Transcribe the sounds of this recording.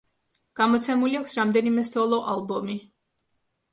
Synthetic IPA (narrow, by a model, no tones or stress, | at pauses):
ɡ̥amɔt̪sʰɛmuliakʷʰsɾamd̪ɛnimɛsɔlˠɔʔalˠbɔmi